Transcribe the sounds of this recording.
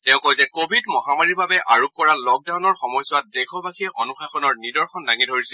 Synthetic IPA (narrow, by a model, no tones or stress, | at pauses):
tɛʊ̃kɔjzɛkobʱidmɔɦamaɹiɹbabɛʔaɹuk̚kːɔɹalɔk̚dawnɔɹxɔmɔjsɔwat̚dekʰɔbakʰiɛʔɔnuxaxʰɔnɔɹnidɔɹxɔndaŋidʱoɹisi